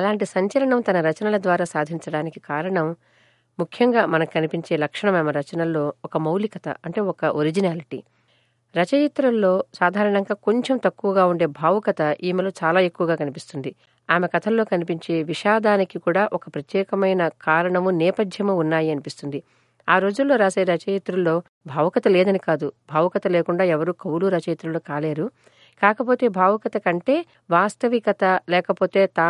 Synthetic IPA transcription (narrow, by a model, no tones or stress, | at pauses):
ɐlaːɳʈisɐɲt͡ʃɐlɐɳɐmt̪ɐnɐɾɐt͡ʃɐnɐlɐd̪ʋaːɾaːsaːd̪ʱiɲt͡ʃɐɽaːnikikaːɾɐɳɐmː | ukʰjɐŋɡaːmɐnɐkkɐnipiɲt͡ʃe̞ːlɐkʂɐɳɐmaːmɐɾɐt͡ʃɐnɐlo̞ːɔkɐmɐwlikɐt̪ɐ̰ɐɳʈe̞ːɔkɐʔoɾid͡ʒinaːliʈḭ | ɾɐt͡ʃɐjit̪ɾɐmlo̞ːsaːd̪ʱaːɾɐɳɐŋɡaːko̞ɲt͡ʃe̞mt̪ɐkːuʋɐɡaːuɳɖe̞ːbʱaːʋukɐt̪ɐʔiːmilo̞ːt͡ʃaːlaːe̞kːuʋɐɡaːkɐnipist̪und̪i | aːmɐkɐt̪ʰɐllo̞ːkɐnipiɲt͡ʃeːʋiʃaːd̪aːnikikuːɽaːʔɔkɐpɾɐt̪jɛːkɐmɐjnɐkaːɾɐɳɐmunɛːpɐd̪ʱjɐmuːnːaːjiɐnipist̪und̪i | aːɾo̞ːd͡ʒulːoːɾaːʃeːɾɐt͡ʃɐjɐt̪ɾulːo̞ː | bʱaːʋɐkɐt̪ɐleːd̪ɐnikaːd̪ubʱaːʋɐkɐt̪ɐleːkuɳɖaːɛʋɐɾuːkɐwluːɾɐt͡ʃɐjɐt̪ɾulo̞ːkaːleːɾu | kaːkɐp̬o̞ːt̪e̞ːbʱaːʋɐkɐt̪ɐkɐɳʈe̞ː | ʋaːst̪ɐʋikɐt̪ɐlɛːkɐpo̞ːt̪e̞ːt̪a